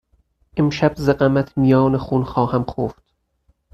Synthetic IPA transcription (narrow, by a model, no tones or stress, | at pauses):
ʔemʃæbzeɢæmæt̪ʰmijɒːnexuːnxɒːhæmxofd̪̥